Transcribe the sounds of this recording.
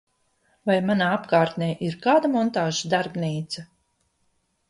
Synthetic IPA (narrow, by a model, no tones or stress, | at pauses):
vajmanaːapkaːɾt̪nɛjʔiɾkaːd̪amɔnt̪aːʒad̪aɾbniːt̪sa